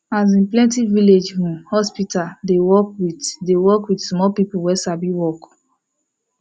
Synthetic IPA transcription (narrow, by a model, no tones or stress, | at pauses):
az̬ĩnplɛ̃ntiviled͡ʒɾũmhɔspitaldewɔk̚witdewɔkwidsmɔlpipuwɛsabiwɔk